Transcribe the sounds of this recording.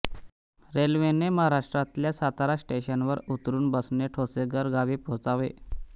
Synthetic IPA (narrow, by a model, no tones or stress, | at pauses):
ɾelʋeneməɦaɾaʂʈɾat̪ljasat̪aɾaɕʈeɕənʋəɾut̪ɾuːnbəsneʈʰoseɡəɾɡaʋiːpot͡saʋe